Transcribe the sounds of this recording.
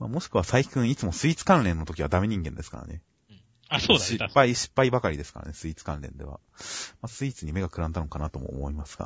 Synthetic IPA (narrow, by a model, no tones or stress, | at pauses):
maːmo̞ɕi̥kɯ̟βasaikɯ̟̃ɰ̃it͡sɨmo̞sɨit͡sɨ̥kãnɾẽnːot̪o̞kʲiβad̪ame̞ɲ̟ĩŋɡẽ̞nd̪e̞sɨ̥ka̰ɾa̰ne | asoːɕipːaiɕi̥pːaibakaɾʲid̪e̞sɨ̥kaɾa̰ne̞sɨit͡sɨ̥kãnɾẽ̞̰nd̪e̞̰βa̰ | masɨit͡sɨɲ̟ime̞ɡakɯ̟ɾãnd̪anokanat̪omo̰ːmo̞imasɨ̥ɡ̥a̰